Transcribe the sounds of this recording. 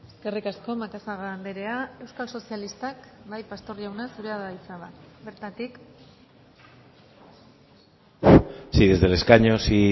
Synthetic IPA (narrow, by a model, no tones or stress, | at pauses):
e̞ske̞rikasko̞makasaɣand̪eɾe̞ae̞wskalso̞sialist̪akbajpast̪o̞riawnasuɾeaðait͡saβabe̞ɾt̪at̪ik | siðe̞zðe̞le̞skaɲo̞si